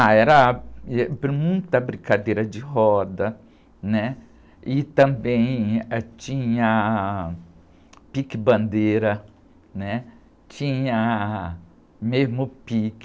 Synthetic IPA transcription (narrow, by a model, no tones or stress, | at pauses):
aɛɾɐɛbɾmũj̃t̪ɐbɾĩkad̪eɾɐd͡ʒɪɦɔd̪ɐ | nɛ | ɪt̪ɐ̃bẽj̃t͡ʃĩɲɐ | pikɪbɐ̃nd̪eɾɐ | nɛ | t͡ʃĩɲɐ | mezmʊpik